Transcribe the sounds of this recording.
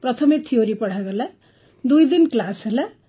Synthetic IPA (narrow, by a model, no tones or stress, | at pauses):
prʌt̪ʰʌmet̪ʰijoɾipʌɽ̤aɡʌla | d̪ujd̪inklasela